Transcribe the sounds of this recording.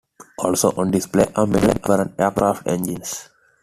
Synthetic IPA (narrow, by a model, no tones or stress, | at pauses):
ɔːlsoːʔɔ̃ːnɖispleːʔəmḛlə̃nfɔɾə̃neːɾkɾaːfʈḛ̃nd͡ʒĩns